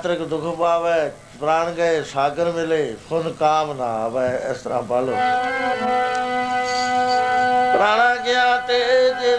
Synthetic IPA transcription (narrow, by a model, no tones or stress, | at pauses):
t̪ɾɪkd̪ʊkʰpaːʋɛː | pɾaːɽ̃ɡəeːsaːɡəɾmɪleːpʰʊnkaːmna̰ːʋɛɪ̰st̪əɾã̰ːpaːloː | pɾaːɽãːɡɪjaːt̪ed͡ʒe